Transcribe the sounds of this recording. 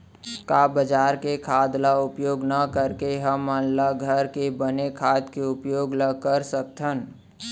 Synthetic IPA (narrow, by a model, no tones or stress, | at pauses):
kabəd͡ʒaːɾkekʰaːd̪laʊpjoːɡnəkəɾkeɦəmːənlaɡʱəɾkebənekʰaːd̪keʊpjoːɡləɡ̚kəɾsək̚t̪ʰən